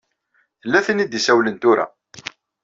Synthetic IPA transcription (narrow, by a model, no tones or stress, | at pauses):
θəlːæθənid̪isæwlənt̪ʊɾa̰